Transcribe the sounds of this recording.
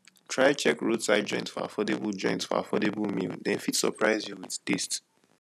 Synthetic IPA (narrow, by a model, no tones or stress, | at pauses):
tʰɹaɪt͡ʃɛkɹodsaɪd̚d͡ʒɔ̃ɪ̃ntsfɔ̰a̰fɔdebəlˠd͡ʒɔ̰̃ɪ̃ntsfɔ̰a̰fɔdebəlˠmḭldɛ̃nfitsə̰pʰɹaɪzjuwiðdist